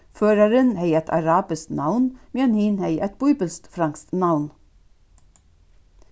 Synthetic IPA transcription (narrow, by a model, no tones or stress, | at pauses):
føːɾɑɾənheɪɛt̪ʰɑ̰ɾɑːbɪst̪nɑʋnmɪɑnhiːnheɪʔɛt̪̚bʊʏbəlst̪fɾɑŋkst̪nɑʋn